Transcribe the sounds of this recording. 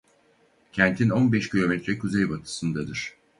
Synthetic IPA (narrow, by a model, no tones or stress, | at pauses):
cʰɛnt̪ʰino̞nbɛʃcʰilʲo̞mɛt̪ɾɛkʰuzɛjbat̪ʰɯ̥sɯnd̪ad̪ɯɾ̥